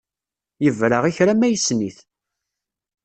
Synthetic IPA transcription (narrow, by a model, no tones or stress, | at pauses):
jəvɾəʁiçɾæmæjəsniθ